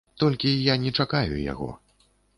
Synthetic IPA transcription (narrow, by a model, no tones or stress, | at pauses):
t̪ɔlʲkʲijanʲɛt͡ʂakajṵja̰ɣɔ̰